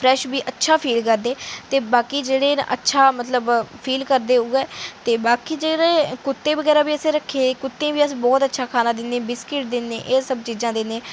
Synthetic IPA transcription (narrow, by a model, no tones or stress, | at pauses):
pʰɾɛːʃbiːʔətːʃʰaːpʰiːlkəɾd̪eːt̪eːbaːkiːd͡ʒeːɽeːn̰ʔə̰tːʃʰaːmət̪ləbpʰiːlkəɾd̪eːuɛːt̪eːbaːkiːd͡ʒeːɽẽːkʊt̪ːeːbəɡɛːɾaːbiːəsẽːɾəkʰːeːkʊt̪ːẽːbiːəsĩːbɔːt̪ətːʃʰaːkʰaːnaːd̪ɪnd̪eːbɪskɪʈ̚d̪ɪnːẽːʔeːsəbt͡ʃiːzãːd̪ɪnẽː